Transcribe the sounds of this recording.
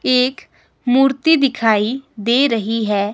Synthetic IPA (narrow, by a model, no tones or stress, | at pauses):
eːk | muːɾt̪id̪ɪkʰaːid̪eːɾɐɦiɦɛː